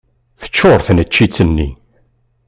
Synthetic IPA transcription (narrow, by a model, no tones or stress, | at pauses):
θə̥t͡ʃːoɾˤθnət͡ʃːit͡sːənːḭ